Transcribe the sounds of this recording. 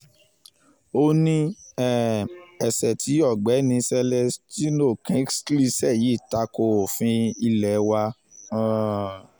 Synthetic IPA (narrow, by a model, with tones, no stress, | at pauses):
o˧nĩ˦ɛ˦˨ɛ˨sɛ˨tʰi˨˦jɔ˦˨ɡ͡bɛ˨˦nĩ˧sɛ˧lɛ˧sti˦no˦˨kɛ̃˦ksli˦sɛ˦˨ji˨˦˨ta˨˦ko˧o˨fĩ˧i˧lɛ˨˦wa˧˦